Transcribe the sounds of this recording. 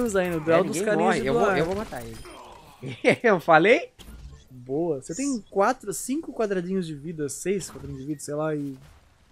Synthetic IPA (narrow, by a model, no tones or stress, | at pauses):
nʊzainʊd̪ɛwd̪ʊɡẽkãnewoaewvomat̪a̰elɪ | ewfalej | boɐset̪ẽj̃kwat̪ɾʊsĩŋkʊkwad̪ɾad͡ʒĩɲʊzd͡ʒɪvid̪ɐsejskwad̪ɾad͡ʒĩʊzd͡ʒɪvid̪ɐsejlaɪ